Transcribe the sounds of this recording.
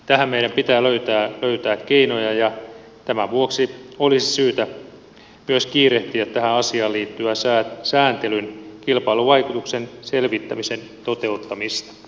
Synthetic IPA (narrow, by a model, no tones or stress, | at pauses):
t̪æɦæmmeiɾæmpit̪æːløyt̪æːløyt̪æːkkːeinojɑjɑ | t̪æmæʋuoksiolisi̥syːt̪æ | myøskiːreht̪iæt̪t̪æhæɑsiɑːliːt̪ːyæsæːsæːnt̪elynkilpɑiluʋɑjkut̪uksenselʋit̪ːæmisent̪o̞t̪eut̪ːɑmist̪ɑ̥